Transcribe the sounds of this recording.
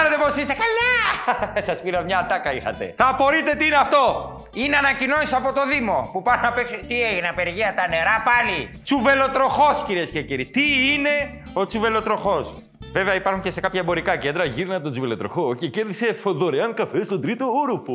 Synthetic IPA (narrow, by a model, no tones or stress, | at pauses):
ɾet̪eposist̪ekalɐ | sɐspiɾɐmɲɐːt̪ɐkɐixɐ̰t̪ḛθɐpo̞ɾit̪e̞t̪iineɐft̪o̞ | ineɐnɐcino̞nisɐpo̞t̪o̞ðimo̞pupɐɾonɐpeksut̪ieʝinɐpe̞ɾʝeɐt̪ɐne̞ɾɐpɐli | t͡suve̞lo̞t̪ɾo̞xo̞sciɾiesce̞ciɾit̪iine̞ | o̞t͡suve̞lo̞t̪ɾo̞xo̞s | ve̞veɐipɐɾxuɲce̞se̞kɐpçɐebo̞ɾikɐcend̪ɾɐʝiɾinɐet̪ot͡suvelo̞t̪ɾo̞̰xoce̞ceɾðise̞foðo̞ɾeɐnkɐfest̪od̪ɾit̪o̞oɾufu